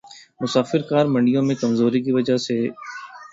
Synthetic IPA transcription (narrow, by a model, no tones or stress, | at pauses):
mʊsaːfɪɾkaːɾmɐ̃ɳɖijõmẽkɐmzoːɾik̬iʋɐd͡ʒase